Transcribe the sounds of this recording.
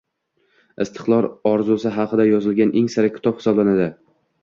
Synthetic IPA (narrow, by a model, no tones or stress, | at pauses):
ɪst̪ʰɨ̥qlˠɒɾɒɾzʊsɪɦɑqʰɨd̪ajɒzɪlɡʲanʔeŋsaɾakʲʰɪ̥t̪ʰɒphɪsɒblanad̪ɪ